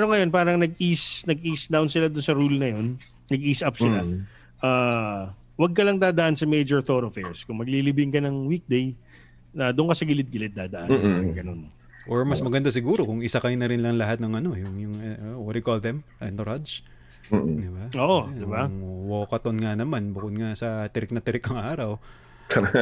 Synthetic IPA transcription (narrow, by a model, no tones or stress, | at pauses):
ɛːɾoŋɐjo̞npaːɾɐŋnɐɡ̚ʔisnɐɡʔiːsd̪ɐwnsɪlad̪ʊnsɐɾulnɐjo̞nː | ɐɡʔiːsʔɐp̚sɪla | ʔaː | wɐɡ̚kɐlɐŋd̪aːd̪ɐʔansɐmejd͡ʒɔɹt̪o̞ɾofɛɹskʊŋmɐɡ̚lilɪbɪŋkɐnɐŋwik̚d̪ej | ɐd̪ʊʔʊnkɐsɐɡɪlɪt̪̚ɡɪlɪt̪̚aːd̪ɐʔa̰nɾɐŋɡɐno̞̰n | ʔoɹmɐsmɐɡɐnd̪as̬ɪɡuːɾo̞kʊŋɪsakɐjnɐɾɪnlɐŋlɐɦat̪nɐŋʔɐno̞jʊŋjʊŋwɔt̪jʊkold̪ɛm | ɛnt̪oɾad͡ʒ | d̪ɪbaʔoːʔoɪbaŋwoːkɐt̪onŋanɐmanbukod̪̚ŋasɐt̪ɪɾɪk̚nɐt̪ɪɾɪkɐŋʔaːɾɐw | kɐ